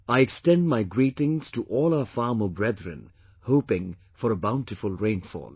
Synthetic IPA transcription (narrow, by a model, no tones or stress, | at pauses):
aɪɛkstɛ̃ndmaɪɡɹiːtɪ̃ŋz̥tʰuʔɔːlˠaʊəfɑːməbɹɛd̪ɹɨ̰̃n | hoʊpɪ̃ŋ | fɔɾəbãʊ̃ntɨfʊlɹẽɪ̃nfɔ̰lˠ